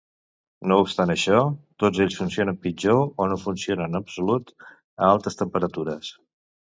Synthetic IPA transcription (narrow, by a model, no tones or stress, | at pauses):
noupst̪anəʃɔt̪od͡zeʎsfunsionəmpid͡ʒoonofunsionənəpsulut̪ | əalˠt̪əst̪əmpəɾət̪uɾəs